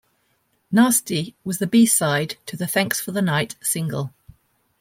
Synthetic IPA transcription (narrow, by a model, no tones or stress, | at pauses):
nɑˑstiwɒzðəbiːsaɪdtʰəðəθæ̃ŋksfəðənaɪtsɪ̃ŋɡə̰lˠ